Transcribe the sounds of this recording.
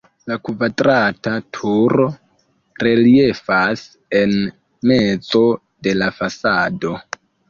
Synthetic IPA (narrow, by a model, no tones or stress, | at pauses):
lakʰuvatʼratʰatʰuɾɔ | rɛliɛfas | ɛn | mɛt͡sʼɔ | dɛlafasaːdɔ